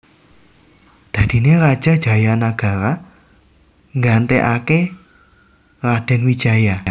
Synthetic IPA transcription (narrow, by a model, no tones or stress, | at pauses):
d̪̥ä̤d̪̥i̤neɾad̥ʒ̥a̤d̥ʒ̥a̤janaɡ̥a̤ɾa | ŋɡant̪eʔake | rad̪̥ɛ̤nwid̥t͡ʃaja